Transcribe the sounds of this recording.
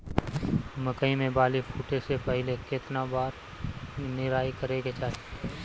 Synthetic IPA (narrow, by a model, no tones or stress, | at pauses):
məkəimẽbaːlifuːʈesepɛɦɪlekɪt̪nabaːɾ | nɪɾaːikəɾeɡet͡ʃaːɦi